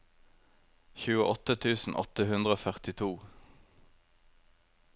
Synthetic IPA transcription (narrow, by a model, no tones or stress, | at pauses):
çʉːəʔɔt̪ət̪ʰʉːsn̩ʔɔ̰t̪əhʉnd̪ʁəoːfœʁt̪ɪt̪ʰuː